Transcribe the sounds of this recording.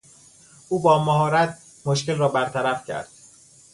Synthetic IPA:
ʔuːbɒːmæɦɒːɾæt̪̚ʰ | moʃcelrɒːbæɾt̪ʰæɾæfcʰæ̰ɾd̪̥̚

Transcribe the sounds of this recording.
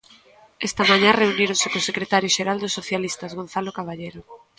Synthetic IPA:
ɛst̪amãɲãreuniɾõnsɪkosekɾet̪aɾjoʃeɾald̪osːoθjalist̪azɣonθalokaβ̞aʎejɾo

